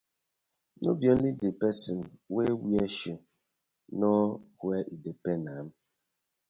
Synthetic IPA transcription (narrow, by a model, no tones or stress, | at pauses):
no̰bjɔidipɛsimwewieʃo | nɔkueʔidepenam̩